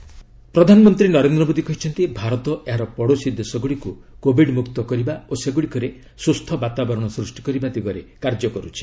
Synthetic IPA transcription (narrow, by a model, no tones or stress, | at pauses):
pɾɔd̪ʱanɔmɔnt̪ɾinɔɾend̪ɾɔmod̪ikɔɦit͡ʃʰɔnt̪ibʱaɾɔt̪ɔʔeɦaɾɔpɔɽosid̪esɔɡuɽikukobʱiɖmukt̪ɔkɔɾibaoseɡuɽikɔɾe | sust̪ʰɔbat̪abɔɾɔɽ̃ɔsɾusʈi̥kɔɾibad̪iɡɔɾekaɾd͡ʒɔkɔɾut͡ʃʰi̥